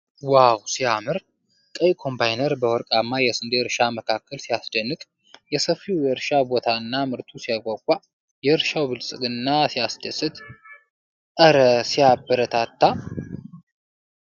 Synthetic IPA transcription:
wawsiamɨɾ | kʼəjkʰo̞mbʰajnəɾbəwɔɾkʼamːajɛsɨnd̪eɾʃaməkʰakːəlsijasd̪ənːɨkʼ | jɛsəfiwjɛɾʃabo̞t̪ʰaɨnːamɨɾt̪ʰusijakʼakʷʼːa | jɛɾʃawbɨlsʼɨɡɨnːasijasd̪əsɨt̪ | ʔəɾəsijabːəɾət̪ʰat̪ːa

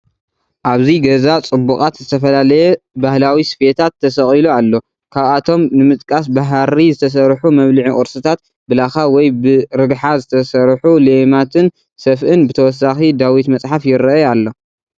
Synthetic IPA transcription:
ʔaβziɡɐzat͡sʼɨbːukʼat̪zɨt̪ʰɐfɐlalɐjɛbahlawisfet̪ʰat̪ʰːɐsɐχʼilualːo̞ | kʰaβat̪ʰo̞mnɨmɨt̪ʼkʼas̬baɦɾizɨt̪ʰɐs̬ɐɾħumɐβlɨʕiʔɔɾsɨt̪ʰat̪̚ | bɨlaxawɔjbɨɾɨɡħazɨt̪ʰɐsɐɾħulemat̪ʰɨn | sɐfʔɨnbɨt̪ʰɐwɔs̬ːaxid̪awit̪mɐt͡sʼħafjɪɾjalːo̞

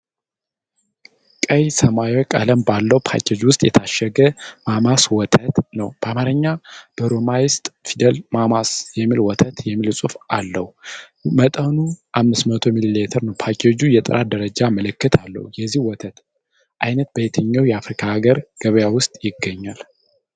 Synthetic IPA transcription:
kʼəjsəmawokʼə̰ləmbalːəwpʰa̰kod͡ʒwʊst̪ʼjɛt̪ʰaʃːɛɡəmamaswɔt̪ʰət̪nəwb̥əamaɾəɲːab̥əɾomajɪst̪ʼfid̪əlmamasjɛmːilwɔt̪ʰət̪jɛmːilsʼufalːəhu | mət̪ʼənuʔamːɨsmət̪ʰo̞mililet̪ʰəɾnəwpʰakiod͡ʒujɛt̪ʼɨɾʔad̪əɾəd͡ʒaməlɨkːɨt̪ʰalːə̰hujɛzːihwɔt̪ʰət̪ | ʔajnət̪̚bəjt̪ʰəɲːawjɛafɾikʰaɡəɾɡ̥əβəjawʊst̪ʼjɪɡːəɲːal

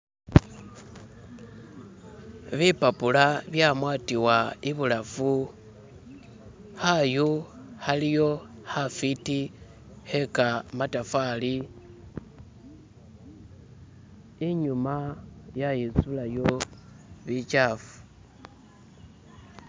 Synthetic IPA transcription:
βipapulaβjamwaːtiwaiβulafu | haju | halijo̞hafiti | he̞kamatafali | iɲumajajit͡sulajo̞ | βit͡ʃafu̥

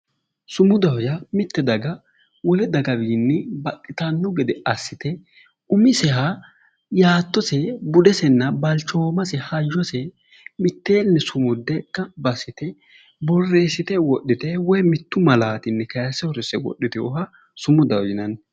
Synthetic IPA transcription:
sʊmʊd̪ɐwjɐmɪt̪ːɛd̪ɐɡɐ | wɔlɛd̪ɐɡɐwiːnːɛbɐtʼːɪt̪ɐnːʊɡɛd̪ɛɐsːɪt̪ɛ | ʊmɪsɛɦa | jaːt̪ːɔsɛbʊd̪ɛsɛnːɐbɐlt͡ʃːoːmɐsɛhɐjːɔsɛ | mɪt̪ːe̞ːnːɛsʊmʊd̪ːɛkːɐbɐsɪt̪ɛ | bɔrːe̞ːsɪt̪ɛwɔɗːɪt̪ɛwɔjmɪt̪ːʊmɐlaːt̪ɪnːɛkɐjɐsɛhɔɾɛsɛwɔ̰ɗːɪt̪ɪjɔ̰ɦɐ | sʊmʊd̪ɐwjɪnɐn

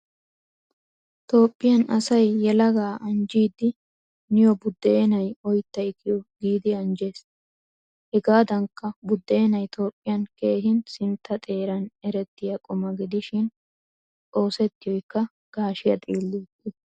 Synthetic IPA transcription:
t̪o̞ːpʼːɪjɐnɐsɐjːɛlɐɡaːʔɐnd͡ʒiːd̪ːɪ | nɪjɔbʊd̪ːeːnɐjɔjt̪ːɐjɪkːɪjɔɡiːd̪ɪɐnd͡ʒeːs | hɛɡaːd̪ɐŋkːɐbʊd̪ːe̞ːnɐjt̪ʰo̞ːpʼːɪjɐnke̞ːɦɪnsɪnt̪ːɐt̪ʼe̞ːɾɐnɛɾɛt̪ːɪjɐkʼʊmɐɡɪd̪ɪʃɪn | o̞ːsɛt̪ːɪjɔjkːɐ | ɡ̥aːʃɪjɐt̪ʼiːlːɪt̪ʼːɪ

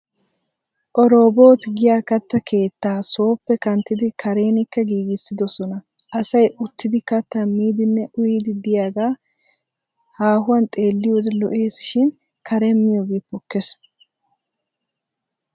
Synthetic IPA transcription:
ʔɔɾo̞ːbo̞ːt̪ɡɪjaːkɐt̪ːɐkʰe̞ːt̪ːaːso̞ːpːɛkɐnt̪ːɪd̪ɪkʰɐɾe̞ːnɪkːɐɡiːɡɪsːɪd̪ɔsɔnɐ | ʔɐsɐjʔʊt̪ːɪd̪ɪkɐt̪ːɐmiːd̪ɪnːɛʔʊjɪd̪ɪd̪ɪjaːɡaː | haːɦʊwɐnt̪ʼe̞ːlːɪjoːd̪ɛlɔʔe̞ːsɪ̥ʃɪn | kɐɾɛmːɪjoːɡeːpːɔkːɛs

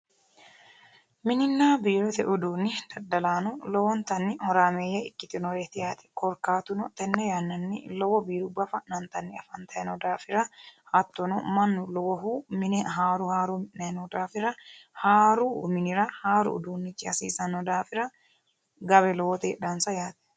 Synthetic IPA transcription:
mɪnɪnːaːbiːɾʊt̪ɛʔʊd̪uːnːɪd̪̥ɐd̪ːɐlaːnʊlɔwɔnt̪ɐnːɪhɔɾaːmeːjːɐɪkːɪt̪ɪnɔɾɛt̪ɪjaːt̪ɛ̥kɔɾkaːt̪ʊnɔt̪ɛnːɛjanːɐnːɪ̰lɔwɔbiːɾʊbɐfɐnɐnt̪ɐnːɪɐfɐnt̪ɐjnɔd̪aːfɪɾɐhɐt̪ːɔnɔmɐnːʊlɔwɔɦumɪnɦaːɾʊhaːɾuːmɪnɐnɔd̪aːfɪɾɐhaːɾumɪnɪɾɐhaːɾʊ̰ʊ̰d̪uːnːɪt͡ʃːɪɐsiːsɐnɔd̪aːfɪɾɐ | ɡɐβɛlɔwɔt̪ḛːᶑansɐjaːt̪ɛ̥

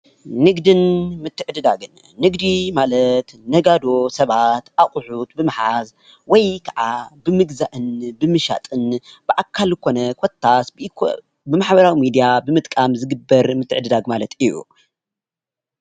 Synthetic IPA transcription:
nɨɡd̪ɨnmɨt̪ʰːɨʕɨd̪ɨd̪aɡɨnːɨɡd̪imalɐt̪nɐɡad̪o̞sɐβat̪ʔaχʼʊħut̪bɨmɨħaz | wɔjkʰɐʕabɨmɨɡzaʔɨnbɨmɨʃa̰t̪ʼɨnb̥ɨʔakʰːalkʰo̞nɐkʰot̪ʰːasb | bɨmaħbɐɾawimid̪ijabɨmɨt̪ʼkʼamzɨɡɨbːɐɾmɨt̪ʰːɨʕɨd̪ɨd̪aɡmalɐt̪ʰijṵ

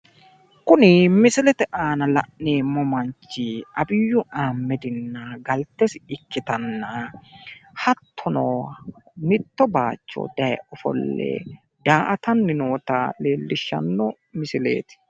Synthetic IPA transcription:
kʊnɪmɪsɪlɛt̪ɛʔaːnɐlɐ̰ʔneːmɔmɐnt͡ʃːɪʔɐbɪjːʊʔaːmːɛd̪ɪnːɐɡɐlt̪ːɛsɪkːɪt̪ɐnːɐ | hɐt̪ʰːɔnoːmɪt̪ːɔbaːt͡ʃːɔ̰d̪̥ɐjɛ̰ɔfɔ̰lːɛ̰ | d̪̥aːʔɐt̪ɐnːɪnoːt̪aleːlːɪʃːɐ̰nːɔ | mɪsɪlḛːt̪ɪ̥

